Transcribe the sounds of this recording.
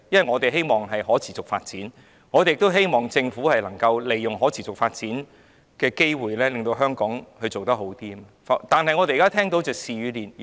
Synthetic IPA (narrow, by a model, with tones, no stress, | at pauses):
jɐ˥nwɐ˨˩ŋɔː˨˧t̪e˨jɦe˥jmɔː˨˩ŋɦɐ˨jɦɔː˨˥t͡sʰiː˨t͡sʊ˨k̚fa̰ː˧t̚t͡siː˨˥n | ŋɔː˨˧t̪e˨jɪ˨k̚t̪o˥wɦe˥jmɔː˨˩ŋt͡sɪ˧ŋfuː˨˥hɐ˨jlɐ˨˩ŋkɐ˧wle˨jːʊ˨ŋɦɔː˨˥t͡sʰiː˨t͡sʊ˨k̚faː˧t̚t͡siː˨˥n | kɛː˧ke˥jwuː˨jlɛː˥lŋt̪o˧wɦœː˥ŋkɔː˨˥ŋhɵ˧ɥt͡so˨wt̪ɐ˥k̚ɦo˨˥wt̪iː˥˧fa˧t̪aː˨nɦɐ˨jŋɔ˨˧t̪e˨jkaː˥t̪ʰɛː˥ŋt̪o˨˥wt͡sɛː˨˧siː˨ɥyː˨˧liː˨n